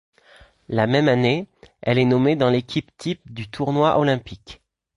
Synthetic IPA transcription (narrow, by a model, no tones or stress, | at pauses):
lamɛmaneɛlɛnɔmed̪ɑ̃lekʲipt̪ʰip̚d̪yt̪ʰuʁnwaʔolɛ̃pik